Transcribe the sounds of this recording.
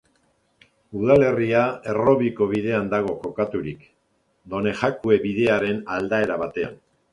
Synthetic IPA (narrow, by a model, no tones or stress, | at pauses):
uðale̞riae̞ro̞βiko̞βiðe̞and̪aɣ̞o̞ko̞kat̪uɾik | d̪o̞ne̞ʝakue̞βið̞e̞aɾe̞nald̪ae̞ɾaβat̪e̞a̰n